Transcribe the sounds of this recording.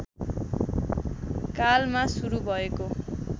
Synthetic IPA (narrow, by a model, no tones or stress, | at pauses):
kalmasuɾubʱʌeko